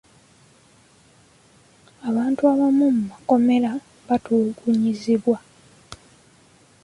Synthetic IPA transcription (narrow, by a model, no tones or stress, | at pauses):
aβaːntuaβamumumako̞me̞la | βatuɡuɲiziβwa